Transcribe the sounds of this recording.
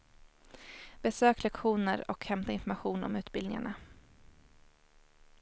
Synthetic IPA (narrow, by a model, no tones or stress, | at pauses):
bɛsøːklɛkɧuːnəɾɔkhɛmt̪aɪnfɔɾmaɧuːnɔ̰mʉ̟ːt̪bɪld̪nɪ̰ŋa̰ɳa